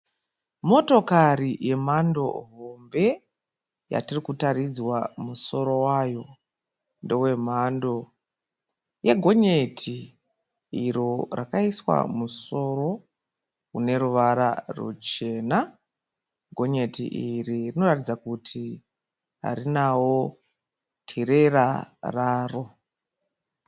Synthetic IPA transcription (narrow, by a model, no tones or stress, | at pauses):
mo̞to̞kaɾije̞mando̞̰ɦo̞mbe̞ | ja̰tirikutaɾid͡zwamuso̞ɾo̞wajo̞ | ndewe̞m̤ando̞ | je̞ɡʱo̞ɲe̞tʰi | iɾorʔakaiswa̰muso̞ɾo̞ | une̞ɾuʋaɾa̰rṵt͡ʃe̞ːna | ɡʱo̞ɲe̞tḭʔiririno̞ratid͡zakutʰi | ɦa̰ɾinawo̞ | tʰiɾe̞raraːro